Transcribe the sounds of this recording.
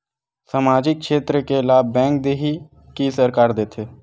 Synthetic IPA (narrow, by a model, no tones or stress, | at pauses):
samaːd͡ʒɪk̚ʃeːt̪ɾəkelaːbːɛ̃ːŋk̚d̪eːɦi | kisəɾkaːɾd̪eːt̪ʰeː